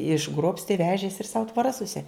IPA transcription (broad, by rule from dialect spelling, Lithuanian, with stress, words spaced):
ɪʒˈɡroːpʲsʲtʲɪ ˈʋʲæːʒʲeːsʲɪ ɪr sɐʊ tʋoːˈrɐs sʊˈsʲɪ